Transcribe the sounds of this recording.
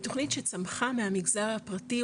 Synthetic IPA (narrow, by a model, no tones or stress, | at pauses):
t̪o̞χnitʃet͡samχameɦamiɡzaʁhapʁati